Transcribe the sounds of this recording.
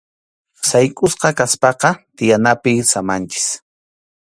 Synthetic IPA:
sajkʼʊsqɑkaspɑqɑt̪ɪjanapɪsamant͡ʃɪ̥s

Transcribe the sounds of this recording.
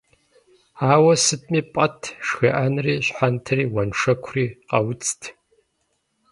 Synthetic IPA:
aːwɐsɨtʼmipʼɐtʰʂxɐʔanriːɕħantʰɐriːwanʂɐkʷʰriːqʼɐwt͡sʰʼtʰ

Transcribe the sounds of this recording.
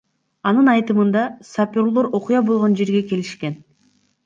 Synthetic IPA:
ɑnɯnɑjt̪ɯmɯnd̪ɑsapʲoɾlˠoɾo̞qujɑbo̞lˠʁond͡ʒe̞ɾɡe̞ke̞liʃke̞n

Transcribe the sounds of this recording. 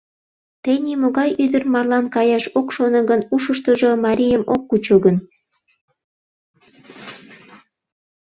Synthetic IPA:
t̪enʲimoɣɑjyd̪ərmɑrlɑnkɑjɑʃokʃonɤ̆ɡənuʃəʃt̪əʒomɑɾʲijəmokːut͡ɕoɡən

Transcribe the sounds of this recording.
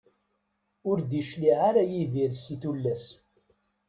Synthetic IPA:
ʊɾd̪iʃliʕaɾajiviɾsiθulːæs

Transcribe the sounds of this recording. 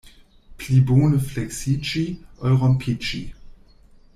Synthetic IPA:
pliboːnəflɛksit͡ʃiʔɔjʁɔmpʰit͡ʃḭ

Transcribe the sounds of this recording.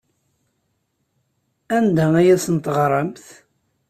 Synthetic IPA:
ænd̪ææjæsənt̪əʁɾˤəmθ

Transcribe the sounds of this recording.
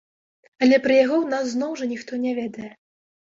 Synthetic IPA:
ɐlʲɛpɾɨjaɣɔwnas̬ːnɔwʐɐnʲixt̪ɔnʲavʲɛd̪ɐjɛ

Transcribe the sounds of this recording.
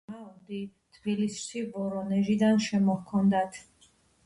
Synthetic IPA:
aɔd̪i | t̪ʰbilisʃibɔɾɔnɛʒid̪anʃɛmɔhkʰɔnd̪at̪ʰ

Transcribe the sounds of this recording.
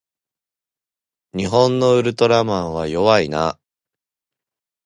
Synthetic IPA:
ɲ̟iɦõ̞nːo̞ɯ̟ɾɯ̟t̪o̞ɾamãɰ̃βajo̞βaina̰

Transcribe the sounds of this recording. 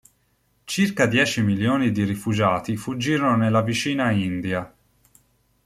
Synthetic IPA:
t͡ʃirkad̪jɛːt͡ʃimiljoːnid̪irifud͡ʒaːt̪ifud͡ʒːiːɾɔnonelːavit͡ʃiːnaind̪ia

